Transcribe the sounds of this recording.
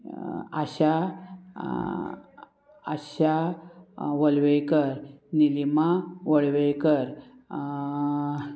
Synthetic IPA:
a̰ɕa | ə̰ɕa | ʋəlʋejkəɾnilimaʋəɭʋejkəɾ

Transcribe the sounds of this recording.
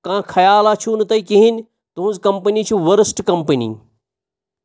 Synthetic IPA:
kãːkʰɐjaːlaːt͡ʃʰunɨt̪ɐikiɦinʲ | t̪uɦũnzkɐmpənit͡ʃʰuʋɐɾəsʈkɐmpənḭ

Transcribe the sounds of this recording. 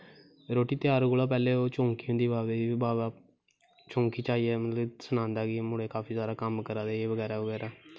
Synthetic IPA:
ɾoːʈiːt̪ɪjaːɾɡoːlaːp̬ɛːleːoːt͡ʃõːŋkiːʊ̃nd̪iːbaːdeːiːbaːbaː | t͡ʃõːŋkiːt͡ʃaːiːɛːmət̪ləbsənãːnd̪aːɡɪmʊɽeːkaːpiːzjaːd̪aːkəmkəɾaːd̪eːeːʋəɡɛːɾaːʋəɡɛːɾaː

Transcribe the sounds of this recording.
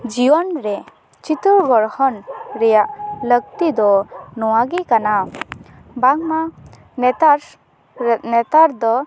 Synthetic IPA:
d͡ʒijɔnɾɛ | t͡ʃit̪uɾɡɔɾhɔnɾɛjaʔləɡ̚t̪id̪ɔnɔwaɡɛkana | baŋma | nɛt̪aɾ | nɛt̪aɾd̪ɔ

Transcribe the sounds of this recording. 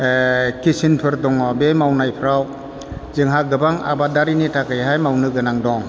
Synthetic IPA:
kisinpʰɯɾdɔŋɔbemawnajpʰɾaw | zɯŋɦaɡɯbaŋa̰badaɾinitakɯjɦajmawnɯɡɯnaŋdɔŋ

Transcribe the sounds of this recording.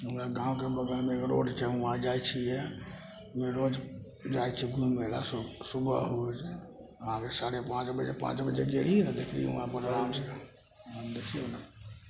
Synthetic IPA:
ɦəmɾaɡãũkebəɡəɾmekɾo̰ɖt͡ʃʰɛũãd͡ʒajt͡ʃʰijɛ | meɾod͡ʒ | d͡ʒajt͡ʃʰiɡʱumela̰ssubə̰ɦot͡ʃɛ | əãkesaɾepãt͡ʃbəd͡ʒḛpã̰t͡ʃbəd͡ʒeɡeliɛd̪ekʰlḭṵãpənɾamt͡ʃ | d̪ekʰiona

